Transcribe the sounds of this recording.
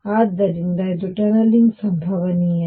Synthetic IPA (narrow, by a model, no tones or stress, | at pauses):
aːd̪d̪ɐɾind̪ɐet̪uʈɐnɐliŋɡsɐmbʱɐʋɐniɦɐ